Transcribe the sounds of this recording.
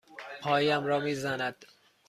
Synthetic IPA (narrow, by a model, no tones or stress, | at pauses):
pʰɒːjiæmɾɒːmiːzænæd̪̥